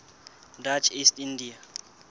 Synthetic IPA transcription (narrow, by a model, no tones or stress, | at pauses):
dat͡ʃʰistindia